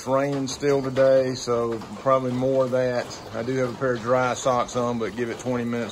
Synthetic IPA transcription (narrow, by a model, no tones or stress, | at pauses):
ɹẽɪ̃ñnstɪlˠtɨdeɪsoʊpʰɹ̥ɑbəblimɔɹðɨt | aɪdɨːvəpʰɛɹdɹaɪsɑksə̃nbʌt̚ɡ̥ɪvɨtʰw̥ɛ̃ɾ̃imɪ̃ñɨts